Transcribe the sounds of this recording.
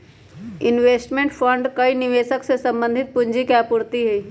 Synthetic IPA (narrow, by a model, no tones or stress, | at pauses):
ɪnʋeːsʈmẽːɳʈfʰəɳɖkɐinɪʋeːsəksesɐ̃mbə̃nd̪ʱɪt̪̚pʊɲd͡ʒikaːpʊɾt̪iɦɛː